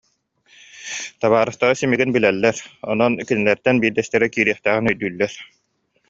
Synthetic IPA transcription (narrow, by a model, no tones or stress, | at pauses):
t̪aβaːɾɯχt̪aɾɯsimiɡinbilɛlːɛɾɔnɔnkinilɛɾt̪ɛnbiːɾd̪ɛst̪ɛɾɛkiːɾiɛχt̪æːʁinœjd̪yːlːɛɾ